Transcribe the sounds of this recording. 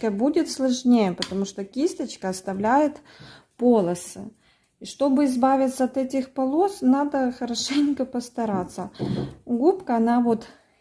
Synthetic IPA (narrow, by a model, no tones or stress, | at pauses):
kəbudʲɪt̪slˠɐʐnʲejəpət̪ɐmuʂt̪okʲisʲt̪ət͡ɕkəɐst̪ɐvlʲæjɪt̪ | po̞lˠəsɨ̰ | iʂt̪o̞bɨɪzbavʲɪt̪sːəɐt̪ɛtʲɪxpɐlˠo̞snad̪əxəɾɐʂɛnʲkəpəst̪ɐɾat̪sːəɡupkəɐnavo̞t̪